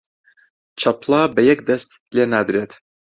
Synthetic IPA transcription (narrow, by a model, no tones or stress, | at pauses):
t͡ʃʰɐplˠɑbɐjɛk̚d̪ɐst̪ | lenaːd̪ɾeːt̪